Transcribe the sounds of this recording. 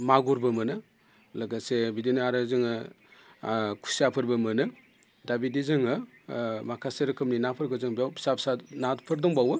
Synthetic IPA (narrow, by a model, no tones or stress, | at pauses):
maɡuɾbɯmɯnɯ | laɡasebidinɯaɾɯzɯŋɯ | kʰu̥siapʰɯɾbɯmɯnɯ | dabidizɯŋɯ | makʰaseɾɯkʰɯmninapʰɯɾɡɯzɯŋbsapsanapʰɯɾdɔŋbawɯ